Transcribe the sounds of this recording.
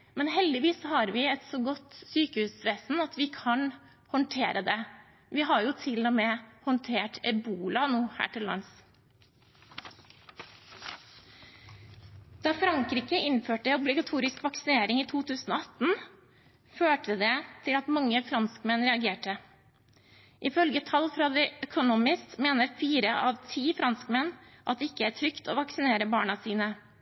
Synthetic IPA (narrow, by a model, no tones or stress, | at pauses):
mɛnɦɛld̪ɪʋiːsɔhɑɾʋɪɛt̪soːɡɔt̪ːsyːkəhʉːsʋeːsn̩ɑt̪ʋɪkʰɑn | hɔnʈ̪ʰeːɾʔəd̪ɛ | ʋɪɦɑɾjʊt̪ʰɪloːmeːhɔnt̪ʰeːʈɛbuːlɑnuːhæ̰ːʈʰɪllːɑ̰ns | d̪̥ɑːfɾɑŋkɾiːkəʔɪnføːʈəɛɔblɪɡɑt̪ʰuːɾɪskʋɑksɪneːɾɪŋiːt̪ʰuːt̪ʰʉːsn̩oːɑt̪n̩ | føːʈəd̪ɛːt̪ʰɪlɑt̪mɑŋːəfɾɑnskmɛnɾɛɑɡeːʈə | ʔɪfœlɡət̪ʰɑlfɾɑːd̪ɛːœkʰʊnuːmɪst̪meːnəɾfiːɾəʔɑːʋt̪ʰiːfɾɑnskmɛnʔɑt̪̚ɛːɪkəæːʈʰɾʏkt̪o̰ːʋɑksɪneːɾəbɑːɳɑsiːnə